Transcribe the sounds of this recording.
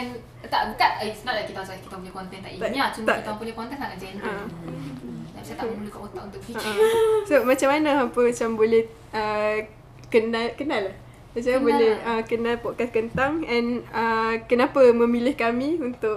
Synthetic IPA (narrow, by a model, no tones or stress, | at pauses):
ɛn | t̪aʔbəkaʔisnaʔlakit̪asakit̪abolɛhkɔnt̪ɛnt̪aʔit̪aniat͡ʃumt̪akiapulekɔnt̪ɛnaʔkad͡ʒanʔa | t̪aʔbsat̪məmulukaʔkot̪aʔunt̪ʊkiəʔəsomat͡ʃamːanãampəmat͡ʃambolɛh | ə | kənalkənalah | sat͡ʃabolɛhəkənalpɔt̚kaskənt̪aŋɛ̃nəkənapamə̃milɪhkamĩunt̪ʊʔ